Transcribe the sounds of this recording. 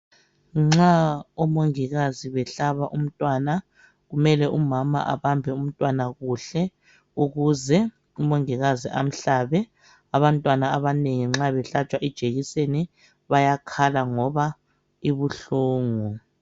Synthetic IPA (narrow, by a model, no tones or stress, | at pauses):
ŋ͡ǁaɔmoŋiɣaziβɛɬaβaʔum̩tʼwana | ɣumɛlɛʔumama̰ʔa̰βambʱɛum̩tʼwanaɣuɬɛ | uɣuzɛ | umoŋiɣaziʔam̩ɬaːβɛ | aβantʼwanaːβaneŋiŋ͡ǁaβɛɬat͡ʃʼwaʔid̥ʒ̥ʱeɣiseni | βajakʰalaŋɔβa | iβuɬuːŋu